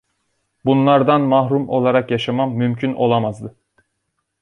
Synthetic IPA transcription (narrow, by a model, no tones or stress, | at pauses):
bunlˠaɾd̪anmaɦɾumo̞lˠaɾakjaʃamamːymcʰyno̞lˠamazd̪ɯ